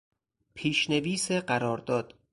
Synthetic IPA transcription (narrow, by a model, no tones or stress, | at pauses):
pʰiːʃne̞viːseɢæɾɒːɾd̪ɒːd̪̥